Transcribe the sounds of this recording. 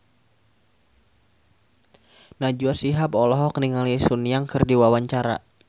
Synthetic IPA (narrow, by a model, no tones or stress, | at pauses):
nad͡ʒuasiɦapɔlɔɦɔkniŋalisuniaŋkɨrdiwawaɲt͡ʃaɾa̰